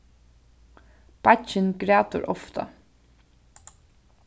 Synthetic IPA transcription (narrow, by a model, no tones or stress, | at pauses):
b̥at͡ʃɪnɡɾæːt̪ʊ̰ɾʔɔft̪a̰